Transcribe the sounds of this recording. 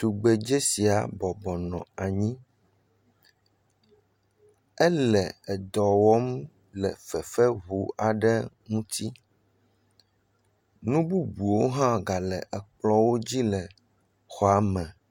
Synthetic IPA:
t̪u˨ɡ͡be˨d͡ʒe˦si˨a˨bɔ˨bɔ˨nɔ̃˨a˨ɲĩ˦ | ɛ˦lɛ˨ɛ˨d̪ɔ˨wɔ˦m | lɛ˨fɛ˨fɛ˦βu˨˦a˨ɖɛ˦ | ŋũ˦t̪ʰi˦ | nũ˦bu˦bu˨wo˦ɦã˦ɡa˨lɛ˨ʔɛ˨k͡plɔ˦wo˦d͡ʑi˦lɛ˨ | xɔ˨a˨mɛ̃˨

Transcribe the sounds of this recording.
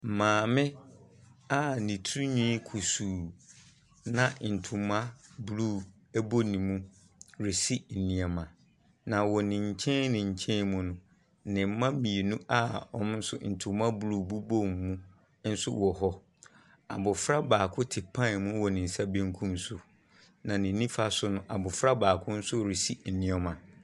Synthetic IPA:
m̩˨mãː˨mɪ̃˦ | a˦˨nĩ˨tʰu˦ɾu˦ɲĩ˦kʰu˨suː˨ | nã˨n̩˨tʰʊ̃˨mã˦blu˦˨ | æ˦bo˦nĩ˨mũ˦ | ɾɪ˨si˦n̩˨nĩ˨a˨mã˨ | nã˨wɔ˨nɪ̃˨ɲ̩˨t͡ɕʰɛ̃˦nnɪ̃˨ɲ̩˨t͡ɕʰɛ̃˦nmũ˦nʊ̃˨ | nɪ̃˨m̩˦mã˦mĩ˨e˨nũ˦ʔa˦ɔ̰˦m˦n̩˦sʊ̰˦n̩˨tʰʊ̃˨mã˦blu˦˨bu˦bo˦mmũ˦ | n̩˦sʊ̰˦wɔ˨ɦɔ˦ | a̰˨bʊ˨fɾa˦baː˨kʰʊ˦tʰɪ˨pʰã˦˨mʊ̃˦wɔ˨nɪ̃˨n̩˨sa˦bĩ˦ŋ̩˦kʰũ˦msu˨ | nã˨nɪ̃˨nːĩ˦fa˦sʊ˦nʊ̃˦ʔa˨bʊ˨fɾa˦baː˨kʰʊ˦n̩˦sʊ˦˨ɾi˨si˦n̩˨nĩ˦ɛ˨mã˨

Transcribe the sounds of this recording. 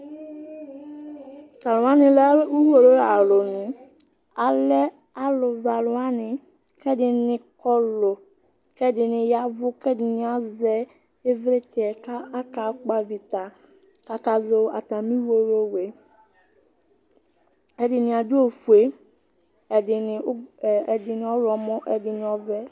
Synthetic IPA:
ka˨lʊ˨˦a˦nɪ˨la˦u˦wo˨ɾo˦a˨lo˨nʊ̃˨ | a˨lɛ˦ | a˦lʊ˨va˨lʊ˨a˦nɪ˨ | kɛ˦dɪ˨nɪ˨kɔ˦lo˨ | kɛ˦dɪ˨nɪ˨ja˦vʊ˦kɛ˦dɪ˨nɪ˨a˦zɛ˦ | e˦vɾe˦tɛ˨ka˦a˦ka˨˦k͡pa˦vi˨t̪a˨ | ka˦ka˨zo˦a̰˨t̪a˨mĩ˦wo˦ɾo˦we˨ | ɛ˨dɪ˨nɪ̃˨a˨du˦o˨fu˨e˦˨ | ɪ˨n˨˦˨ɛ˨dɪ˨nɪ̃˨ɔ˦lɔ˨mɔ̃˦ʔɛ˨dɪ˨nɪ̃˨ɔ˨vɛ˦

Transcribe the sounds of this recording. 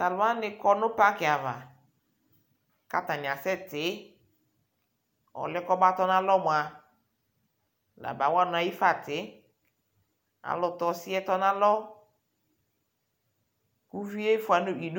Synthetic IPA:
ta˨lʊ˨˦a˦nɪ˦kɔ˦nʊ˦pa˦kɪ˨a˨va̰˨ | ka̰˦ta˨nɪ˨a˨sɛ˦tɪ˨˦ | ɔ̰˨lɪ˦kɔ˦ba˦tɔ˦nã˦lɔ˦mʊ˨a˨ | la̰˨ba˨˦wa˦˨nʊ˨a˨ji˦fa˨tɪ˨˦ | a̰˨lɔ˨tɔ˨si˦ɛ˦tɔ˦nã˦lɔ˦ | ku˦vi˦e˦fʊ˨a˨nʊ˦i˨d

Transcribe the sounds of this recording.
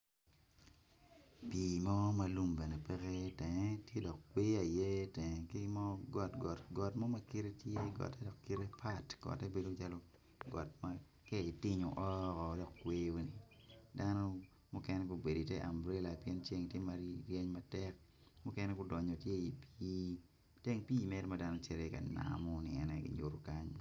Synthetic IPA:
piː˨mɔ˦ma˨lu˦mbɛ˨ne˨pɛ˦ke˦tɛ˨ŋɛ˦tje˦dɔ˨k̚kweː˦a˨je˦tɛ˨ŋɛ˨ki˦mɔ˦ɡɔ˨tɡɔ˨ɡɔ˨tmɔ˦ma˦ki˦ɾe˦tje˦ɡɔ̰˨tɛ˦dɔ˨kːi˦ɾe˦pʰa˦tɡ̥ɔ̰˨tɛ˦be˦do˦t͡ʃa˦lo˦ | ɡɔ̰˨tma | kɛ˦i˨tɪ˦ɲo˨ʔɔ˦kɔ˨dɔ˨kkwe˦o˦ni˨da˦no˦ | mu˦kɛ˦nɛ˦ku˨˦be˨di˨tɛ˦ʔa̰˨mbɾe˦la˨pjɛ˦nt͡ʃe˦ŋ˨tje˦ma˨ɾjɛ˦ɲma˦tɛ˦k̚ | mu˦kɛ˦nɛ˦kʊ˦dɔ˨ɲo˨tje˦i˨pi˦ | te˦ŋpi˦i˨mɛ˦ɾma˦da˦no˦t͡ʃɛ˦ɾe˦ka˨na̰mɔ˦nḭ˨ɛ̰˨nɛ˦kḭ˨ɲo˨ɾo˨ka˦ɲ

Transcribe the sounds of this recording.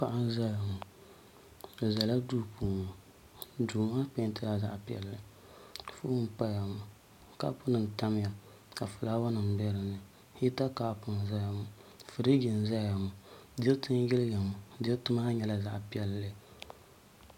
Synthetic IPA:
pa˨ʔa˦n˦za˦ja˨mu˨ | za˨la˦duː˦puː˦˨ma˨ | duː˨ma˦pe˦tɨ˦la˦za̰˦ʔpi˦ɛ̰˨lːɨ˨ | fṵ˦ʊ˦m˦pa˦ja˨mʊ˨ | ka̰˦pʊ˦nɨ˨n˨ta˦m˦ja˨ | ka˨fʊ˨laː˦wa˦nɨ˨m˨bɛ˦ɾɨ˨nɨ˨ | hi˦ta˦ka˦pʊ˨n˨za˦ja˨mu˨fu˨dɨ˦ɡɪ˨n˨za˦a˨mu˨di˦tɨ˦n˦jɪ˦lɪ˦ja˨mu˨di˦tʊ˦ma˦ɲɛ˨la˦za˦ʔpi˦ɛ˦lːɨ˦˨

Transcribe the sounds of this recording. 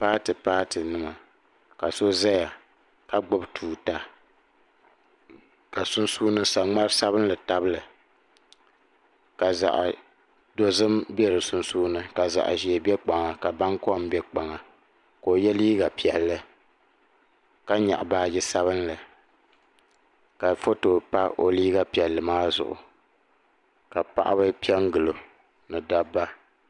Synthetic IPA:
paː˦tɨ˨paː˦tɨ˨nɨ˦ma˨ | ka˨so˦za˦ja˨ | ka˦ɡ͡bʊ˦btʰuː˨ta˨ | ka˨sʊ˦n˦suː˦nɨ˦sa˨ŋ͡ma˦ɾɨ˦sa˦βɨ˦n˦lɨ˨ta˦bɨ˦lɨ˨ | ka˨za̰˨ʔ | do˦zɨ˦mbɛ˦ɾɨ˨sʊ˦nsuː˦nɨ˦ka˨za̰˨ʔʒi˨e˨bɛ˦k͡pa˨ŋa˨ka˨ba˦ŋkɔ˦˨m˦bɛ˦k͡pa˨ŋa˨ | koː˨jɛ˦liː˦ɡa˨pi˨ɛ˨lːɨ˦ | ka˦ɲa̰˨ʔbaː˦jɛ˦sa˦βɨ˦nlɨ˨ | ka˨fo˦to˨pa˦ʔo˨liː˦ɡa˦pi˨ɛ˨lːɨ˨maː˦zʊ̰˨ʔʊ̰˨ | ka˨pa̰˦˨ʔa̰˦bɨ˦pi˦ɛ˦ŋɡɨ˨lo˨ | nɨ˨da˦bːa˦

